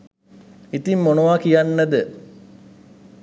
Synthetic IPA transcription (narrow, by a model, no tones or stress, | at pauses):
it̪imːonoʋakijanːəd̪ə